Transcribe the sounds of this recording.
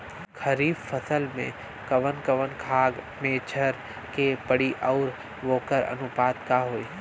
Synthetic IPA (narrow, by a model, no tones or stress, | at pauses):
kʰəɾiːbfəsəlmḛ̃ | kəʋənkəʋənkʰaːɡ | meːt͡ʃʰəɾ | kepəɽiʔɔːɾ | ʋoːkəɾɐ̰nʊpaːt̪kaɦoːiː